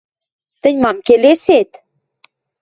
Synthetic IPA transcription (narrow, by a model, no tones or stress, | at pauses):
t̪əɲʲmɑmkeleset̪